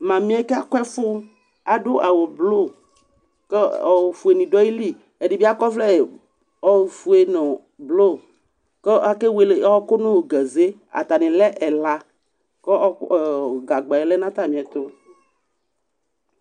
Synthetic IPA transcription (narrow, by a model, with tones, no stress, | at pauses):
mã˨mĩ˦ɛ˦ke˦a˦kɔ˦ɛ˦fo˦ | a˨ɖo˦ʔa˨wo˨blo˦˨ | ke˦ɔ˨wfu˨e˨nĩ˨ɖɔ˦i˦li˦˨ | e˨de˨bi˦a˦kɔ˦fle˦˨ | ɔ˨fu˨e˨nɔ̃˨ | blo˦ | ke˦ʔa˦ke˦we˨le˨˦ɔ˦ko˦nõ˦wɡɛ˨ze˦a̰˨t̪a˨nẽ˨lɛ˦ʔɛ˨la˦ | kɔ˦˨ɡa˨ɡ͡ba˨ɛ˨le˦nã˦t̪a˦˨mĩ˨ɛ˨t̪o˦